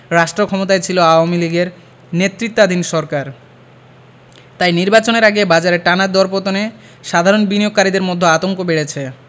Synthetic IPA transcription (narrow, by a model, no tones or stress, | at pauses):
ɾaʃʈɾokʰɔmot̪aet͡ɕʰiloaoamiliɡeɾ | net̪ɾit̪ːad̪ʱinʃɔɾkaɾ | t̪ajniɾbat͡ɕoneɾaɡebad͡ʑaɾeʈanad̪ɔɾpot̪one | ʃad̪ʱaɾonbinijoɡ̚kaɾid̪eɾmod̪ʱːoat̪oŋkobeɽet͡ɕʰe